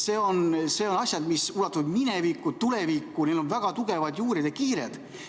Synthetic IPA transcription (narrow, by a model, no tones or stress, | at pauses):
se̞ːo̞nse̞ːo̞nɑsʲjɑd̪misulɑt̪ːuvd̪minevikːˑut̪ulevikːˑunelo̞nvæɡ̥ɑt̪uɡe̞vɑd̪juːɾid̪ekiːɾed̪̥